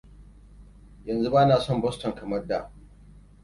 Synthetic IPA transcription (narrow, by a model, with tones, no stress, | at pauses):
jɐ˨nzu˦baː˦naː˨sɔ˦˨mbɔ˦stɔ˨ŋkɐ˨mɐ˦rda˨ʔ